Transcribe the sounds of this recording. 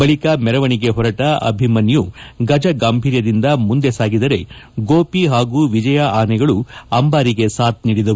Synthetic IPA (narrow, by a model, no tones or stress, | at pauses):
bɐɭikɐmɛɾɐʋɐɳiɡe̞ɦɔɾɐʈɐɐ̰bʱimɐnjuɡɐd͡ʒɐɡaːmbʱiːɾjɐd̪ind̪ɐmund̪e̞saːɡid̪ɐɾe̞ɡoːpiɦaːɡuːʋid͡ʒɐjaaːnɛɡɐɭuɐmbaːɾiɡe̞saːt̪̚niːɽid̪ɐu